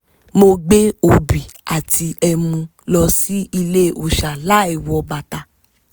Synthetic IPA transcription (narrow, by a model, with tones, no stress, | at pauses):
mo˧ɡ͡be˦o˨bi˨a˨ti˧ɛ˧mũ˧ | lɔ˧si˦i˧le˦˨o˧˨ʃa˨la˦ɛ˨wɔ˧ba˨ta˧